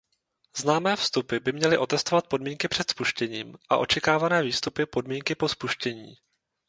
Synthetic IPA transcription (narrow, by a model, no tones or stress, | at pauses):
z̥naːmɛːfst̪upɪbɪmɲɛlɪʔo̞t̪ɛst̪o̞vat̪̚po̞dmiːŋkɪpr̝̥ɛt̪spuʃcɛɲiːmʔa̰ʔo̞t͡ʃɛkaːvanɛːviːst̪upɪpo̞dmiːŋkɪpo̞spuʃcɛɲḭː